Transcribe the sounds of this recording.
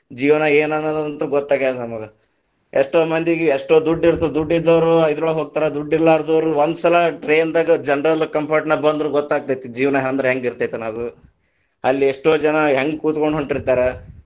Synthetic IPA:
d͡ʒiːʋɐnɐeːnɐnːɐd̪ɐd̪ɐnt̪ɾuɡɔt̪ːaːɡ̪nɐmɐɡɐ | eʂʈoːmɐnd̪iɡeʂʈoːd̪uɖːiɾt̪ːud̪uɖːid̪ːɐʋɾuɐjd̪ɾuɭɐɦoːɡ̚t̪aːɾed̪uɖːiɾːaːiɾd̪ɐʋɾuond̪usɐlɐʈɾeːnd̪aːɡɐd͡ʒɐnɾɐlkɐmpʰɐɾʈnɐbɐnd̪ɾuɡɔt̪ːaːɡ̚t̪ajt̪ud͡ʒiːʋnɐɦnd̪ɾɐɦeŋɡiɾt̪ajt̪unɐd̪u | ɐlːieʂʈoːd͡ʒɐnɐɦeŋɡkuːt̪koɳɖɦoɳʈiɾt̪aːɾe

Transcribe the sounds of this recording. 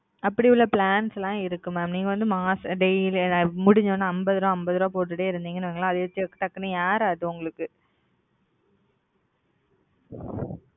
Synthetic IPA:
ɐpːɐɽiʊɭːɐpɭaːnslãːɪɾɯkːɯmaːmniːŋɡɐʋɐnd̪ɯmaːsɐɖɛjlmʊɽɪɲd͡ʒõːnaɐmbɐðɯɾõɐmbɐðɯɾõːpoːʈ̬ːɯʈːeːɪɾɯnd̪iːŋɡɐnɯʋeːŋɡɐɭãːɐðɯʋɐt͡ʃːɪɐkːɯ̥ʈɐkːɐnɯjaːɾaːðɯ̃ʊŋɡɐɭɯkːɯ

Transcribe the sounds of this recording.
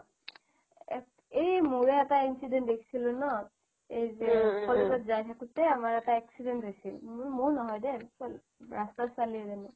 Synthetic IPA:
ejmuɹɛɛtainsidɛntdekʰi̥silʊ̃nɔ | ejzɛkʰɔlezɔtzajtʰakutɛamaɹɛtaɛksidɛntɦosilmʊɹnɔɦɔjdɛ | ɹastasaliɛzanɛ

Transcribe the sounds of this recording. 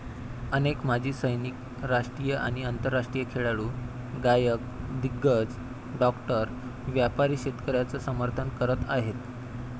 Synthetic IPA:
ənekmad͡ʑʱiːsəjnik | ɾaʂʈɾiːjəʔa̰ɽ̃iənt̪əɾːaʂʈɾijəkʰeɭaɭuː | ɡajək̚d̪iɡːət͡s | ɖɔkʈəɾ | ʋjapaɾiːɕet̪kəɾjat͡səsəməɾt̪ʰənkəɾət̪aɦet̪

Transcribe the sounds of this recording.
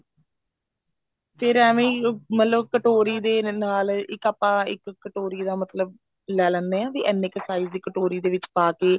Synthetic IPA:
feɾɛːʋẽːmət̪ləbkəʈoːɾiːd̪eːnaːlɪkaːpːãːɪ̰kːəʈoːɾiːd̪ãːmət̪ləb | lɛːlɛ̃ːnd̪eːãːʋiːʔɛnːɪksaːiːzd̪iːkəʈoːɾiːd̪eːʋɪt͡ʃpaːkeː

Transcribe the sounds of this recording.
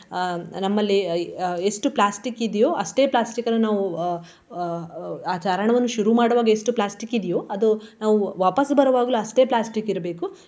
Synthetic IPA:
nɐmːɐlːie̞sʈuplaːsʈikid̪ijoːʔɐsʈe̞ːplaːsʈikɐnɐnaːʋu | aːt͡ʃaːɾɐɳɐʋɐnːuʃuɾumaːɽɐʋaːɡɐesʈuplaːsʈikid̪ijoːɐd̪unaːʋuʋaːpɐsbɐɾɐʋaːɡɐluɐsʈe̞ːplaːsʈikiɾɐbeːku

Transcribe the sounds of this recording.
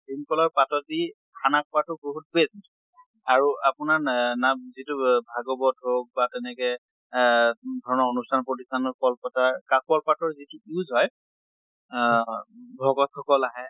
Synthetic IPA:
dinkɔlɔɹpatɔti | kʰanak̚pɔatʊboɦut̚pest | aɹuapʊnanamzitubʱaɡɔbɔdʱɦok̚batɛnɛkɛ | dʱɔɹɔnɔonustʰanpɹot̬istanɔkɔlpɔtaɹkak̚ɔlpatɔɹzituiuzɦɔj | bʱɔɡɔtxɔkɔlaɦɛ

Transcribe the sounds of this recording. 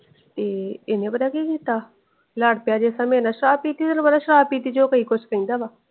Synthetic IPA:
t̪eːɪnẽːbəd̪aːkiːkiːt̪aː | laːɽpɪjaːd͡ʒeːsaːmẽːnaːʃɾaːb̚kiːt̪iːsnːbəd̪aːʃəɾaːp̚iːt̪iːd͡ʒoːkəiːkʊt͡ʃʰkəĩːnd̪aːʋaː

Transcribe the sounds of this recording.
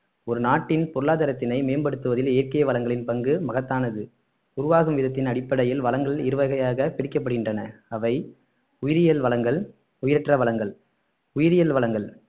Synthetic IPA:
ɔɾɯnaːʈːɪnpɔɾɯɭaːðɐɾɐt̪ːɪnɐɪmeːnbɐɽɯt̪ːɯʋɐðɪlɛjːɾkɐjɐʋɐlɐŋɡɐɭɪnpɐŋɡɯmɐɣɐt̪ːaːnɐðɯ | ʊɾʊʋaːɣɯmʋɪðɐt̪̬ːɪnɐɽɪpːɐɽɐjɪlʋɐlɐŋɡɐɭɪɾɯʋɐɣɐjaːɣɐpɪɽɪkːɐp̬ːɐɽɯɣɪndrɐnɐɐʋɐɪ | ʊjɪɾɪjɐlʋɐlɐŋɡɐɭ | ʊjɪɾɛʈrɐʋɐɭɐŋɡɐɭ | ʊjɪɾɪjɐlʋɐlɐŋɡɐɭ

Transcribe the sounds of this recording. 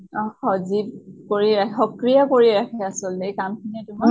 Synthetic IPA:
ɔxɔzib̚koɹiɹakʰɛxɔkɹijakoɹiɹakʰɛasɔltɛkamkʰinɛtʊma

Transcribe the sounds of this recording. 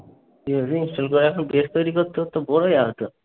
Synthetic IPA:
iosiinsʈolkoɾeɛkʰɔnbest̪ojɾikot̪ːeɦot̪ːobɔɽojaɦot̪o

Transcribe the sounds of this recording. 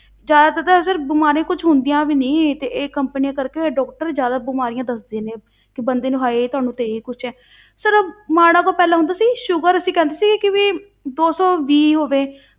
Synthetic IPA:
d͡ʒjaːd̪aːt̪ət̪əsəɾbɪmaːɾẽːkʊt͡ʃʰɦʊnd̪ijãːʋiːnĩːt̪eːʔeːkəmpnijãːkəɾkeɖɔːk̚ʈəɾd͡ʒjaːd̪aːbɪmaːɾɪjãːd̪əsd̪eːneː | kɪbənd̪eːnũːɦaːeːt̪ʊɦaːnũːt̪eːiːkʊt͡ʃʰɛː | səɾmaːɽ̃ãːkoːpɛːlaːɦʊ̃nd̪aːsiːʃʊɡəɾəsĩːkɛ̃ːnd̪eːsiːɡɪkɪʋiː | d̪oːsɔːʋiːɦoːʋeː

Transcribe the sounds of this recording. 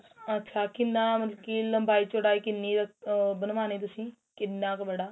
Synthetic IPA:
ɐtːʃʰakɪnːãːmɐt̪lkiːlːəmbʱaːit͡ʃoɽaːiːkɪnːiɾɐkbənʋaːneːt̪ʊsĩː | kɪnːãːkbəɽaː

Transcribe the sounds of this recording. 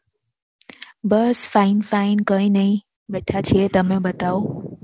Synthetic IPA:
bəsfaːɪnfaɪnkə̃ĩnɐĩ | ʋeʈʰat͡ɕʰiet̪ɐmẽbɐt̪aːo

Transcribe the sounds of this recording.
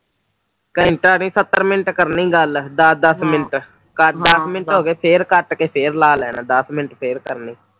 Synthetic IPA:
kəɪɳʈəːnĩːsət̪ːəɾmɪnəʈkəɾnĩːɡəld̪əd̪əsmɪnəʈ | kəd̪əsmɪnəʈɦoːɡeːpʰeːɾkəʈkeːpʰeːɾlaːlɛːnaːd̪əsmɪnəʈpʰeːɾkəɾniː

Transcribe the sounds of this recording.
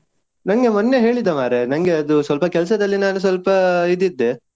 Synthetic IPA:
nɐŋɡe̞mɐnːeɦe̞ːɭid̪ɐmaːɾenɐŋɡeɐd̪usʋɐlpɐkɛlɐs̬ɐd̪ɐlːinaːnus̬ʋɐlpɐid̪ːid̪ːe

